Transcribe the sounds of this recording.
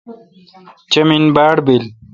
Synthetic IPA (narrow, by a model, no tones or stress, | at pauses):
t͡ɕɐminbaːɽbil